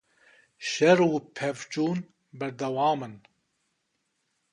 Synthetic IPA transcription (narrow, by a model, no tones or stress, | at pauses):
ʃɛɾupʰɛvt͡ʃʼuːn | bɛɾd̪ɐwaːmɨn